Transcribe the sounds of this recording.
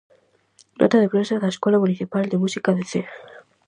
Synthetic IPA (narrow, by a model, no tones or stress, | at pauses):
d̪o̰t̪aðepɾensaðaeskwelamuniθipald̪emusikaðeθe